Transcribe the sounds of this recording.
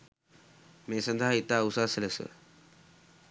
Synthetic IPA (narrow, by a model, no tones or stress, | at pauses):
mẽːsɐ̃nd̪ʱaɦɪt̪aːʊsaːsɪləsə̰